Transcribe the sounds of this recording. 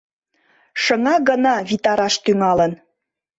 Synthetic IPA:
ʃəŋɑɡənɑβit̪ɑɾɑʃt̪yŋɑlən

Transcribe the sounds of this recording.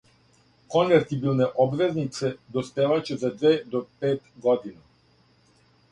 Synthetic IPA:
kɔnvɛɾt̪ibilˠnɛʔɔbvɛznit̪sɛd̪ɔspɛvat͡ʃɛzad̪vɛd̪ɔpɛt̪ɡɔd̪ina

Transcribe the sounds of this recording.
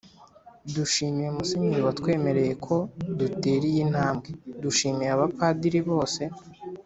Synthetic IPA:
duʃiːmije̞musiɲiɾiwatkwe̞ːme̞ɾe̞je̞kʰo̞dute̞ːɾijin̥haːmbɡeduʃiːmijaβapadiɾiβo̞ːse̞

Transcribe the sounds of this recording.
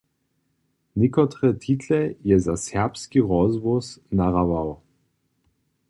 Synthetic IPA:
nɪkɔt̪ʁɛt̪ʰit̪lɛjɛzasɛʁpskiʁɔzvusnaʁavaw

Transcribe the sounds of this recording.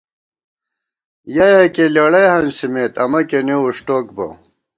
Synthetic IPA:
jajakelɐɽɐjhɐnsimeːt̪ɐmɐkeneuʂʈoːkbɐ̰

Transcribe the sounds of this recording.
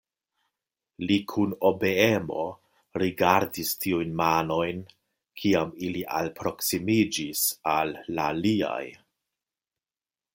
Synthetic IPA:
likʰuno̞beemo̞̰ | ɾiɡaɾdistʰiujnmano̞jn | kʰiamiliʔa̰lpɾo̞ksimid͡ʒisalːalia̰j

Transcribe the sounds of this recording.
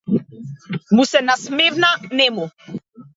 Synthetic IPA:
musɛnasmevnanɛmo

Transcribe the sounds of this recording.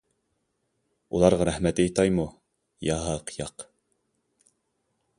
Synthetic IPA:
ulˠɑɾʁɑɾæhmɛt̪ejt̪ɑjmu | jɑɦɑqʰjɑq

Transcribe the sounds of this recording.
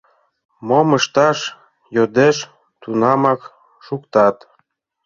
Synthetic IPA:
moməʃt̪ɑʃ | jod̪eʃ | t̪unɑmɑk | ʃukt̪ɑt̪

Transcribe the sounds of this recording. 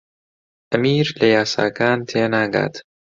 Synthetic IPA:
ʔɐmiːɾlɐjaːsa̰ːkaːnt̪ʰeːnaːɡa̰ːt̪

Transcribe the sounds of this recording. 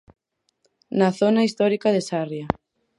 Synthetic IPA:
nɐθonaist̪ɔɾikaðesarja

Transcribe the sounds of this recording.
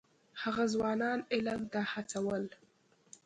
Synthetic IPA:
haɣazwɑnɑnɪlamt̪ahat͡sawəl

